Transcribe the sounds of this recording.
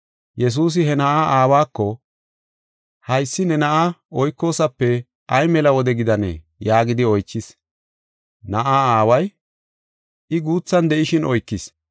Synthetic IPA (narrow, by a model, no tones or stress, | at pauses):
jɛs̬uːs̬ɪɦɛnɐʔaːʔaːwaːkːɔ | hɐjsːɪnɛnɐʔaɔjkːo̞ːsɐpːɛ | ʔɐjmɛlɐwɔd̪ɛɡɪd̪ɐnɛ̰ | jaːɡɪd̪ɪɔjt͡ʃːɪs | nɐʔaːaːwɐj | ɪɡuːt͡sːɐnd̪ɛʔɪʃɪnʔɔjkːɪs